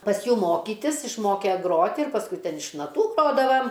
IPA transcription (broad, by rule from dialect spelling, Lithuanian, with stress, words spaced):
pɐs ˈjuː ˈmoːkʲiːtʲɪs ɪʃˈmoːkʲɛ ˈɡroːtʲɪ ɪr pɐsˈkʊɪ ˈtʲɛn ɪʃ nɐˈtuː ˈɡroːdɐʋɐm